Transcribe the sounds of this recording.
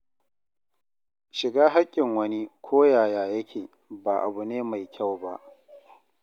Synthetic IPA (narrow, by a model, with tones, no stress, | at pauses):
ʃɪ˨ɡaː˦ɦa˦kʲʼːɪ˨ŋwɐ˦ni˦kʷʰoː˦jaː˨jaː˨jɐ˦kʲʰeː˨ | ba˨ʔa̰˨bu˨neː˦ma˨jkʲa˦˨wba˦ʔ